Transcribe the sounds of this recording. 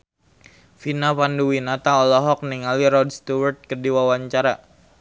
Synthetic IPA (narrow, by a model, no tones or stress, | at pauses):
finapanduwinat̪aɔlɔɦɔk̚niŋaliɾɔdst̪uwərt̪̚kərdiwawaɲt͡ʃaɾa